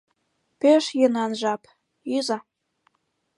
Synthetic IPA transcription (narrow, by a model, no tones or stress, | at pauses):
peʃjenɑnʒɑp | yzɑ